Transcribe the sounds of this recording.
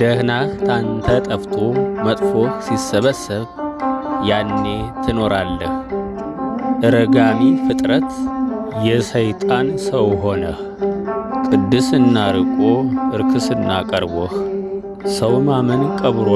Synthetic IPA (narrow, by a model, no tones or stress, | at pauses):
d̪̥əhnaht̪ʰant̪ʰət̪ʼəft̪ʰomət̪ʼfoxsisːəβəsːɨβ | janːe̞t̪ʰɨno̞ɾalːəx | ʔɨɾəɡamifɨt̪ʼɾət̪jɛsəjt̪ʼansəwɦo̞nəh | kʼɨd̪ːɨsɨnːaɾɨkʼo̞ʔɨɾkʰɨsɨnːa̰kʼəɾβɔh | səwmamənkʼəβɾo